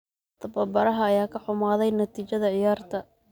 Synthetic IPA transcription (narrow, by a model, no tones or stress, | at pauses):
t̪ʰɐbɐbɐɾɐɦɐːjaːkʰɐħʊmaːðɛjnɐt̪ʰiːt͡ʃɐðɐʕɪjaːrt̪ʰɐ